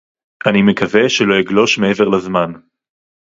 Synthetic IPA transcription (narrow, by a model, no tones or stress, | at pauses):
ʔanimekaveʃelo̞jiɡlo̞ʃmeeve̞ʁlazman